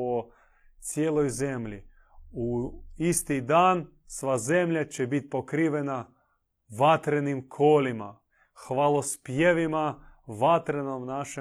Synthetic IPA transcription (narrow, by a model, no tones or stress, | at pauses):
o | t̪sjeːlˠojzemʎi | uist̪id̪aːn | sʋazemʎʲat͡ɕebit̪̚ʲpokɾiʋena | ʋat̪ɾenimkʰoːlima̰ | xʋaːlˠospjeʋimaʋat̪ɾenomnaʃe